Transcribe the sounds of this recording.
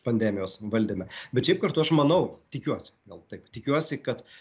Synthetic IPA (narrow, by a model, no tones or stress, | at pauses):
pɐnʲd̪ʲæːmʲɪjoːsʋɐlʲd̪ʲiːmʲɛbʲɛt̪ʃʲɛɪp̚kɐrt̪ʊɐʃmɐnɐʊt̪ʲɪkʲuɔsʲɪ̥ɡɐlˠt̪ɐɪpt̪ʲɪkʲuɔsʲɪkɐt̪